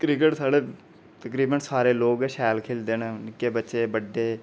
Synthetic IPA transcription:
kɾɪkəʈsaːɽeː | t̪əkɾiːbənsaːɾeːloːɡɛːʃɛːlkʰeːld̪eːneːnɪkːeːbətːʃeːbəɖːeː

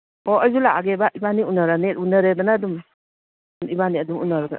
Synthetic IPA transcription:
oɐjzulaaɡebaʔibaniunaɾanetunɐɾed̪ɐnadum | nibaniɐdumṵnːaɾaɡa̰

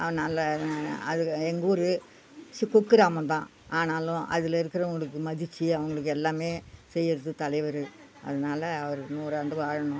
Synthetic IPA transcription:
ɐʋɐnaːlɐɐðɨeŋɡuːɾɨ | sikːukːɨɾaːmɐnt̪ãː | aːnaːlũʔɐ̰ðiliɾɯkːɪrɐʋɐŋɡɐɭɯkːɨmɐðit͡ɕːɨɐʋɐŋɡɐɭɯk̬ːelːaːmeːt͡ɕejːɐɾɐðɯt̪ɐlɐɪʋɐɾɯ | ɐ̰ðɯnaːlɐːʋɐɾnuːrɐːɳɖɯʋaːɻɐɳu

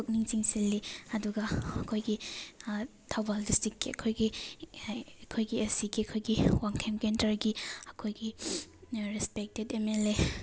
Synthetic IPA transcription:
tok̚niŋt͡ʃiŋselːiɐduɡɐɐkʰojɡi | tʰawbaldistikːiɐkʰojɡi | ɐkʰojɡiesiɡiɐkʰojɡiwaŋkʰemkentɐɾɡiɐkʰojɡi | ɾispek̚tedemele

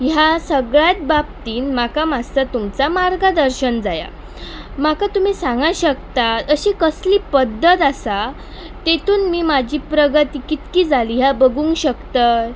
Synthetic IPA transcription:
ɦjasəɡɭjat̪̚bab̚t̪iːnmakamast̪at̪umt͡samaɾɡad̪əɾɕənd͡zaja̰ | makat̪um̤iːsãŋɡaɕəkt̪at̪əɕikəsliːpəd̪ːət̪asa | t̪et̪ʰuːnmiːmad͡ʑiːpɾəɡət̪ikit̪kiːd͡zaliːɦjabəɡuŋɡɕəkt̪ə

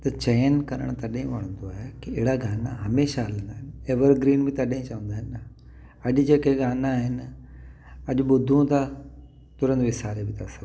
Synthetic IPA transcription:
t̪ɐt͡ɕɐjənkɐɾə̰ɽ̃t̪ɐɗɦẽʋɐɽ̃ə̃nd̪oaːɦekiɪɦɪɽaɡaːnaɦɐmeːʃaɦɐlə̃nd̪aːɦɪnɪeːʋəɾɡɾiːnbɪ̃t̪ɐɗɦĩt͡ɕɐʋə̃nd̪aːɦɪnːɐ | ɐʄʊd͡ʑeːkeɡaːnaːɦɪnɪ | ɐʄʊɓʊd̪ʱũt̪ʰa | t̪ʊɾə̃nd̪ʋɪsaːɾebɪt̪ʰasɐ

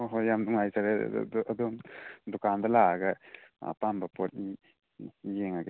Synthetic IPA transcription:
ɦɔjamd̪uŋajsaɾḛad̪ɔmd̪ukand̪alaɡɐa̰pambapɔt̚ni | jeŋaɡe

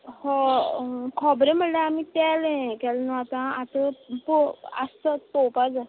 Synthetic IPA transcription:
hɔ | kʰɔbɾẽm̤əleamit̪ɛlẽkɛlnɔat̪ãat̪əpoa̰st̪ət̪pɔpad͡za

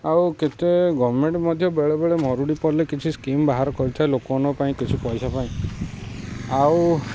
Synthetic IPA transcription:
awket̪eɡɔʋɔmeɳʈmɔd̪ʱjɔbeɭebeɭemɔɾuɽipɔɾlekit͡ʃʰiskimbaɦaɾɔkɔɾit̪ʰaelokɔɔnɔpaĩkit͡ʃʰipɔjsapaĩ | aw

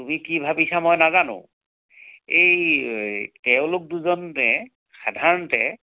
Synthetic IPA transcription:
tumikibʱabisamɔjnazanʊ̰̃ | ej | tɛʊ̃lʊk̚duzɔntɛ | xadʱaɹɔntɛ

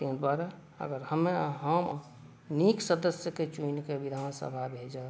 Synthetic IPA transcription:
t̪ĩnd̪waɾa | ə̰ɡəɾhəmeɦəm | niksəd̪əsjəket͡ʃunkeʋid̪ʱaːnsə̰bʱabʱed͡ʒə

